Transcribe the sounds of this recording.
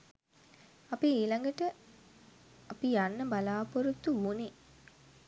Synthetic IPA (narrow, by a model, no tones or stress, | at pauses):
apieːlaŋɡəʈə | apijanːəbalaːpoɾut̪ːuuni